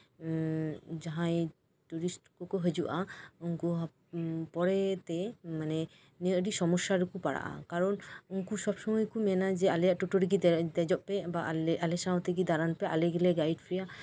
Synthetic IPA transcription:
d͡ʒaɦãj | ʈuɾisʈkɔkoɦəd͡ʒuʔauŋkuɦ | pɔɾɛt̪ɛmanɛ | neʔɾiʃɔmɔʃːaɾukupaɽa̰ʔa̰kaɾɔnuŋkuʃɔbʃɔmɔjkumɛnad͡ʒɛalɛjaʔʈuʈoɾik̬id̪ɛd͡ʒɔʔpɛbaalesãt̪ʰekid̪aɾanpɛʔaleɡelɛɡajɖpʰɾija

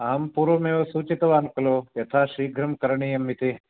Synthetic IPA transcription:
aːmpuːɾʋomeosuːt͡ʃit̪ɐʋaːnkɐloːjɐt̪ʰaːʃiːɡʱɾɐmkɐɾɳijɐmːit̪i

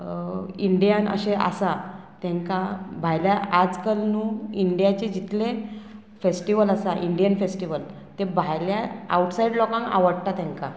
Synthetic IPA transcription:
iɳɖijanə̰ɕeʔa̰sat̪jãŋkabʱajljaad͡zkəlnuːiɳɖijat͡ɕed͡ʑit̪le | fesʈiʋələsaʔiɳɖijənfesʈiʋəl | t̪ebʱajljaawʈsajiɖlɔkãŋa̰ʋəɽt̪at̪ãŋka

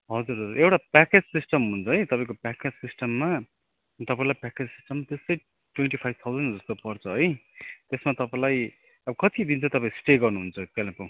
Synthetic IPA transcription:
ɦʌd͡zuɾɦʌd͡zurʔewʈapaked͡zsisʈʌmɦunt͡sʰʌɦʌjt̪ʌpãĩkopaked͡zsisʈʌmːa | t̪ʌpaĩlajpaked͡zsi̥sʈʌmːat̪est̪ʌj | ʈweɳʈipʰajb̚t̪ʰawd͡zʌnd͡zʌst̪opʌrt͡sʰʌɦʌjt̪esmat̪ʌpãĩlaj | ʌbʌkʌt̪id̪int͡sʰʌt̪ʌpaĩsʈeɡʌrnuɦunt͡sʰʌkelẽpuw̃

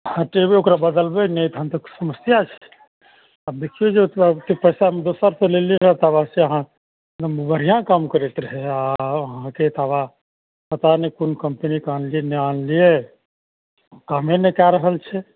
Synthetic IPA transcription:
ãʈebeokɾabəd̪əlbənet̪ɦãmt̪oksəməsjat͡ʃʰɛ̥ | ab̪ekʰied͡ʒekepəɪsamd̪osəɾpeleliɾəɦɛt̪abaseəɦã | bəɾijãkamkəɾet̪ɾəɦɛaɦãket̪aba | pət̪anekunkəmpənikanlieneanlie | kaːmenekɛɾəɦəlt͡ʃʰɛ

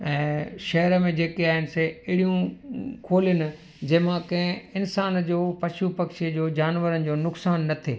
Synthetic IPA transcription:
ɛ̃ːʃɐɦɾmẽd͡ʑeːkeaːɦɪnɪ̆seɪɽijũkʰoːlijənɪ̆ | d͡ʑɐɦmãkɐ̃ɦɪ̃ɪnsaːnd͡ʑoːpɐʃupɐkʃiəd͡ʑoːd͡ʑaːnʋəɾənɪ̆d͡ʑoːnʊksaːnːɐt̪ʰeː

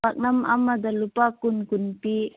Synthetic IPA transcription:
ak̚nama̰mad̪alupakunkunpi

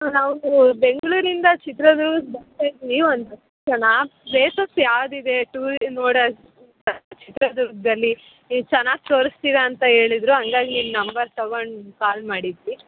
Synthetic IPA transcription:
naːʋɡube̞ŋɡɐɭuːɾind̪ɐt͡ʃit̪ɾɐd̪uɾɡsbɐnt̪ajd̪ʋiʋond̪ɐ | t͡ʃɐnabeːsɐsjaːʋd̪id̪e̞ʈuːɾnoːɽɐ | ɐt͡ʃit̪ɾɐd̪uɾɡd̪ɐlːi | t͡ʃɛnːaːɡ̚t̪o̞ːɾst̪iːɾɐːnt̪ɐɦe̞ːɭid̪ɾuɦɐŋɡaːɡinimnɐmbɐɾsɐʋɐnkaːlmaːɽid̪ʋi

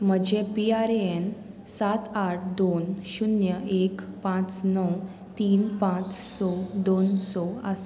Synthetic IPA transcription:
m̤əd͡ʑepiaɾen | sat̪aʈʰd̪onɕunjəʔekpãt͡snəw | t̪iːnpãt͡ssɔd̪onsɔa̰s

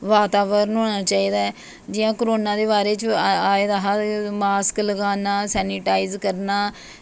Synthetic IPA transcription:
ʋaːt̪aːʋəɾnɦoːnaːt͡ʃaːiːd̪aː | d͡ʒɪjãːkɾoːnãːd̪eːβaːɾeːt͡ʃaːed̪aɦamaːskləɡaːnaːsɛːnɪʈaːizkəɾnaː

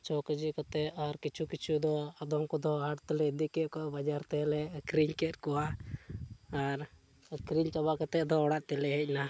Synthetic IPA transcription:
t͡ʃɔkəd͡ʒikɔt̪ɛɔɾkit͡ʃʰukit͡ʃʰud̪ɔad̪ɔmkɔd̪ɔɦaɽt̪ɛlɛd̪ikɛʔkɔabad͡ʒaɾt̪ɛlɛkɾiɲkɛt̪̚kɔwa | aɾ | kɾiɲt͡ʃɔbakat̪ɛʔd̪ɔɔɽaʔt̪ɛlɛɦɛc̚na

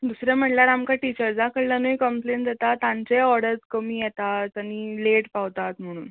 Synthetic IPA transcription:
d̪usɾjam̤əʈlaɾamkaʈit͡ɕəɾd͡zakəɽlanəjkəmplend̪et̪at̪ãɲt͡seɔɾɽəɾt͡skəmiːjɛt̪atañileʈpaʋt̪at̪m̤əɽ̃ṵːn

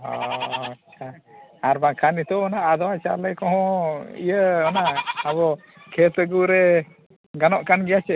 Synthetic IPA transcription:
ɦɔ̰at͡ʃʰaaɾbakʰanit̪ɔɔnaʔad̪ɔwat͡ʃa̰ləjkɔ̃ɦɔ̃ḭjəɔnaaβɔ | kʰɛsəɡuɾɛ | ɡanɔʔkanɡɛjat͡ʃɛ

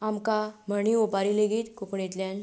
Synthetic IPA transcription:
amkam̤əɳ̃iopaɾileɡiːt̪kokɳet̪ljan

